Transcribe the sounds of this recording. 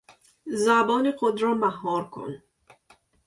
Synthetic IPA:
zabɔːniχʊd̪ɾɔmaɦɔɾkʰṵn

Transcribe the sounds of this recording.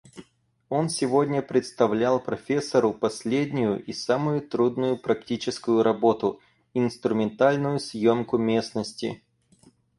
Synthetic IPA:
o̞nsʲɪvo̞dʲnʲəpɾʲɪt̪st̪ɐvlʲalˠpɾɐfʲesːəɾʊpɐsʲlʲedʲnʲʊjʊʔisamʊjʊt̪ɾud̪nʊjʊpɾɐktʲit͡ɕɪskʊjʊɾʔɐbo̞t̪ʊ | ɪnst̪ɾʊmʲɪnt̪alʲnʊjʊsjomkʊmʲe̞snəsʲtʲɪ̰

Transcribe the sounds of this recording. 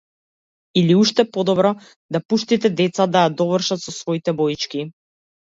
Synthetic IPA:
iliuʃt̪ɛpɔd̪ɔbɾɔ | d̪apuʃt̪it̪ɛd̪ɛt̪sad̪ajad̪ɔvrʃat̪sɔsvɔit̪ɛbɔit͡ʃki

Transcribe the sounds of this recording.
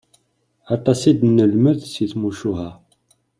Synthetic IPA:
ɑt̪ˤːɑsid̪nːəlməðsiθmuʃuɦæ

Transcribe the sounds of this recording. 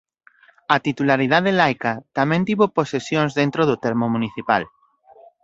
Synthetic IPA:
at̪it̪ulaɾið̞aðelajkat̪amɛ̃nt̪iβoposesjõŋzðẽnt̪ɾoðʊt̪ɛɾmomũniθipa̰l

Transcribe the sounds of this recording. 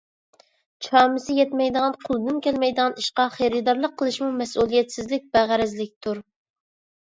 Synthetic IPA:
t͡ʃʰɑːmɨsɪjɛt̪mɛjd̪əʁɑnqʰʊlˠd̪ɨnkʲɛlmɛjd̪əʁɑniʃqɑχeɾɨd̪ɑɾlˠəqʰːəlˠɨʃmumɛsulˠijɛt̪sɪzlɪk̚ʲb̥æʁæɾɛzlɪk̚ʲt̪ʰuɾ

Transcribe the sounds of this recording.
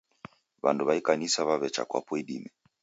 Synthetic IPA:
βa̰nduβaikanisaβaβɛt͡ʃa̰kwa̰pɔiɗimɛ

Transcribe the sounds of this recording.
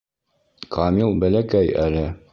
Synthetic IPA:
kʰɑmilˠbælækæjælɘ

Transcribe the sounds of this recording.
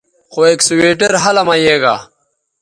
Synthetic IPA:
xoeksuweːʈɐɾɦɐlɐmɐjeːɡa̰ː

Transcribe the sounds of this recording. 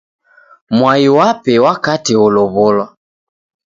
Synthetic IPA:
mwaiwapɛwakatiʊlʊβʊlwa

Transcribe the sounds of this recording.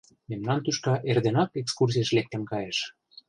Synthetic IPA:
memnɑnt̪yʃkɑʔerd̪enɑkekskurs̬iəʃlek̚t̪ə̆mkɑjeʃ

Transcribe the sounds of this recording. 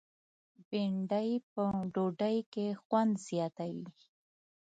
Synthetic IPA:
beɳɖajpəɖoɖajkexwand̪zjɑt̪awi

